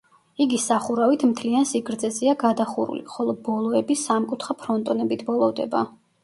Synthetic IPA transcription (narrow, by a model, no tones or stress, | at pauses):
iɡisaχuɾavit̪ʰmt̪ʰliansiɡɾd̪zɛzɛaɡad̪aχuɾṵlḭχɔlˠɔbɔlˠɔɛbisamkʼut̪ʰχapʰɾɔnt̪ʼɔnɛbit̪ʰbɔlˠɔvd̪ɛ̰ba